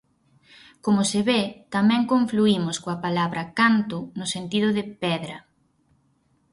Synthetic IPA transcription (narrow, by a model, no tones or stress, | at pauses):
komʊsɪβet̪amɛ̃ŋkoɱfluimʊskoɐpalaβɾʔɐkant̪ʊnʊsent̪iðʊðɪpɛðɾɐ